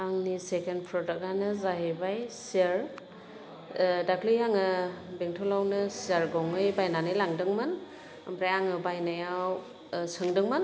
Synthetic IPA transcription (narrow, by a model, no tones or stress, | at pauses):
aŋnisekenpʰɾɔdak̚anɯzaɦebajsiaɾ | dakʰlɯjaŋɯbeŋtʰɔlawnɯsiaɾɡɔŋɯjbajnanɯjlaŋdɯŋmɯn | ambɾajaŋɯbajnajaw | sɯŋdɯŋmɯn